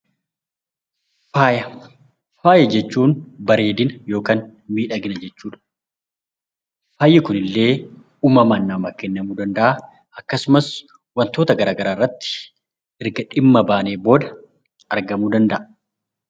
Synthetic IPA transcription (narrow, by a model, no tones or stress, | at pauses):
faːjɐ | faːjɐd͡ʒɛt͡ʃːuːnbɐɾe̞ːd̪ɪnɐjo̞ːkanmiːᶑɐɡɪnɐd͡ʒɛt͡ʃːuːᶑɐ̥ | faːjɪkʊnɪlːe̞ː | uːmɐmɐnːɐmɐkɛnːɐmuːd̪ɐnd̪ɐʔa | ʔɐkːɐsʊmɐs | wɐnt̪o̞ːt̪ɐɡɐɾaːɡɐɾaːrːɐt̪ːɪ̥ | ʔɪɾɡɐᶑɪmːɐbaːneːbo̞ːd̪ɐ | ɐɾɡɐmuːd̪ɐnd̪ɐʔɐ